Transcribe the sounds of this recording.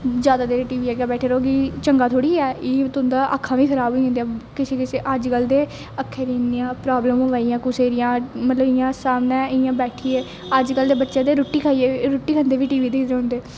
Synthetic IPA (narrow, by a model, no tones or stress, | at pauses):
d͡ʒjaːd̪aːd̪eːɾeːʈiːʋiːɛːɡjaːbɛːʈʰeːɾoːɡiːt͡ʃəŋɡaːt̪ʰoːɽiːɛːiːt̪ʊnd̪aːʔəkʰːãːʋiːkʰəɾaːbɦoːĩːnd̪ejãkɪseːkɪseːʔəd͡ʒkəld̪eː | əkʰːəɾiːniãːpɾaːbləməʋaːijãːkʊseːɾɪjãːmət̪ləbɪjãːsaːmnãːɪjãːbɛːʈʰiːeː | əd͡ʒkəld̪eːbətːʃãːd̪eːɾʊʈːiːkʰaːieɾʊʈːiːkʰə̃nd̪eːʋiːʈiːʋiːd̪eːʊ̃nd̪eː